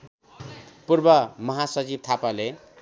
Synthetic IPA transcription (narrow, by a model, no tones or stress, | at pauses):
purbʌmʌɦasʌd͡zib̚t̪ʰapale